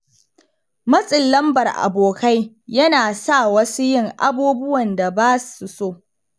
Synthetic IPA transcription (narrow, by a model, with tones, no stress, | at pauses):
mɐ˦sʼɪ˨lːɐ˦mbɐ˨rʔa̰˨boː˨ka˦j | jɐ˦naː˨sa˦˨wɐ˦su˦jɪ˦˨ŋʔa̰˦buː˦bʊ˦wɐ˨nda˨baː˦su˨soː˦˨